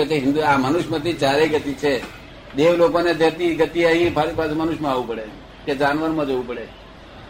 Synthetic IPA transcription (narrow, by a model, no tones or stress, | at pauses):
et͡ʃeɦɪ̃nd̪uamənʊʃmãt̪ʰit͡ʃaɾeɡət̪it͡ʃʰe | d̪eʋlokoned̪ʱjəɾt̪iɡət̪iəɦĩpʰaɽipasemənʊʃmãaʋũpəɽe | ked͡ʒaːnʋəɾmãd͡ʒoʋũpəɽe